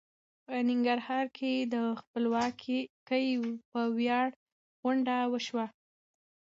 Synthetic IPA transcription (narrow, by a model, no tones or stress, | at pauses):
pənɪŋɡaɾhɑɾkʰed̪əxpəlwɑkʰikəjpəwjɑɽ | ɣʊɳɖawəʃwa